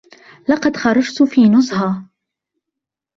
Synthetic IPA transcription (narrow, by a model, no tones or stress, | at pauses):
lɑqɑd̪xɑɾˤɑd͡ʒt̪fiːnʊzˤɦɑ